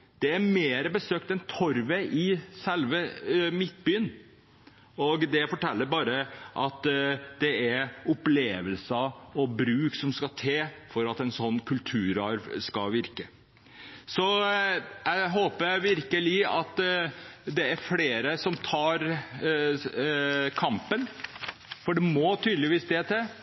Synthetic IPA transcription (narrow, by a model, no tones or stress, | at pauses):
d̪̥ɛæɾmeːɾəbəsøːkt̪ɛnt̪ʰɔɾʋeʔɪsɛlʋəmɪt̪̚byːən | ɔɡd̪ɛfɔʈʰɛlːəɾbɑːɾəʔɑt̪d̪̥ɛæɾʊpleːʋəlsəɔbɾʉːksɔmskɑt̪ʰeːfɔɾɑt̪ɛnsɔnːkʰʉlt̪ʰʉːɾɑɾʋskɑʋɪɾkə | sɔ | jæɪɦoːpəæɪʋɪɾkəlɪɑt̪ | d̪ɛæɾfleːɾəsɔmt̪ʰɑːɾ | kʰɑmpən | fɔɖɛmɔt̪ʰyːd̪əlɪʋiːsd̪eːt̪ʰeː